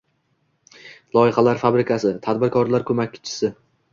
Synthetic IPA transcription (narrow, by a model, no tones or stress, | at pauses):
lˠɒɪχalaɾfabɾɪkʲʰasɪt̪ʰad̪bɪɾkʰɒɾlaɾkʰɵmakʲːɪ̥t͡ʃʰɪ̥sɪ